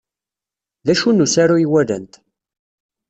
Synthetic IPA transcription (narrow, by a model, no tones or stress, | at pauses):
ðæʃunːusaɾujiwælə̰nt̪